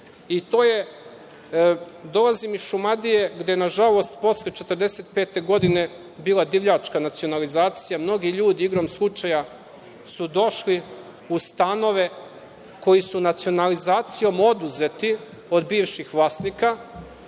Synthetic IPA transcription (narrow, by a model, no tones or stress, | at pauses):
it̪o̞ːje | d̪o̞lazimiʃumad̪ije̞ɡd̪e̞jenaʒalo̞st̪po̞slet͡ʃet̪əɾd̪e̞se̞t̪pe̞ːt̪e̞ɡo̞d̪ine̞ | biːlad̪iʋʎat͡ʃkanat̪sijo̞nalizaːt̪sijamno̞ɡiʎuːd̪iiɡɾo̞mslˠut͡ʃaja | sud̪o̞ʃli | ust̪ano̞ʋe̞ | ko̞jisunat̪sio̞nalizaːt̪sijo̞mo̞d̪uze̞t̪i | o̞d̪biːʋʃixʋlˠaːst̪niːka